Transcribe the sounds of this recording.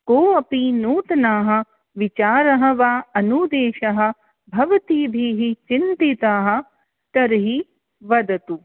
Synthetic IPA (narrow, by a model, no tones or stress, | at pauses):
koːɐpinuːt̪ɐnaːɦɐ̆ | ʋit͡ʃaːɾɐɦɐ̆ʋaːɐnuːd̪eːʃɐɦɐ̆ | bʱɐʋɐt̪iːbʱiːɦit͡ʃint̪it̪aːɦɐ̆ | kɐɾɦi | ʋɐd̪ɐt̪u